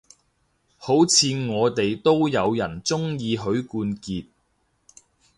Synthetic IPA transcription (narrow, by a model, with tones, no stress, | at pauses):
ho˨˥wt͡sʰiː˨˧ŋɔː˨˧t̪e˨jt̪o˥wjɐ˨˧wjɐ˨˩nt͡sʊ˥ŋjiː˨˧ɦɵ˨˧˥ɥkuː˧nkiː˨t̚